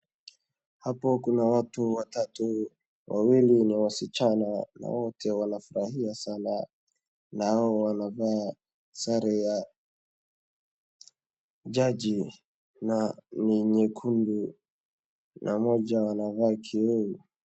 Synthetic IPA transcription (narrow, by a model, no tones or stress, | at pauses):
hapɔkunawatuwatatu | wʔawiliniwasit͡ʃanana̰wɔtʰɛwanafuɾahiasana | naaɔwanavaː | saɾɛja | d͡ʒaʄi | naniɲɛkʰundu | nʔamɔʄawanavaːkʰiuu